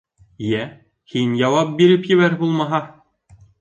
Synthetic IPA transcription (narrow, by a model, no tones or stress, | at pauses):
jæ | hinʲjɑwɑp̚biɾɘpjɘ̆βæɾbulˠmɑɦɑ